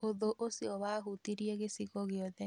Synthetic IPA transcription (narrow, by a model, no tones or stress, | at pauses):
oðoʔosiɔwaɦutiɾiɛɣesiɣɔɣɪɔðɛ